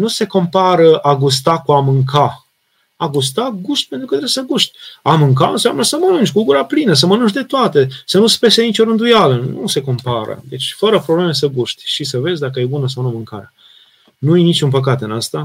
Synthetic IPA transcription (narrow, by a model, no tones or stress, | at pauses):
nuse̞ko̞mpaɾəaɡust̪akuamɨŋkʰa | aɡust̪aɡuʃt̪̚ʲpent̪ɾukət̪ɾeesəɡuʃt̪ʲamɨŋkaɨ̰nsea̰mnəsəmənɨnt͡ʃʲkuɡuɾaplinəs̬əmənunt͡ʃd̪e̞t̪oat̪e̞sənuspe̞senit͡ʃo̞ɾɨnd̪ujalənṵse̞ko̞mpaɾə̰d̪e̞t͡ʃʲfəɾəpɾoble̞me̞səɡuʃt̪ʲʃisəve̞zʲd̪akəjebunəsawnumɨŋka̰ɾea | nujenit͡ʃunpək̬at̪ɨnast̪a